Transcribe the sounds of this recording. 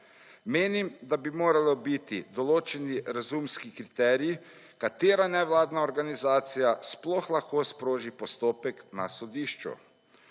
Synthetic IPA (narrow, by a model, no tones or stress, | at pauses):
meːnimd̪abimoːɾalɔbit̪id̪ɔloːt͡ʃɛniɾazumskikɾit̪ɛːɾii | kat̪eːɾanɛʋlaːd̪naɔɾɡanizaːt̪sijasplɔxlaxkoːspɾoːʒipɔst̪oːpɛkna̰sɔd̪iːʃt͡ʃṵ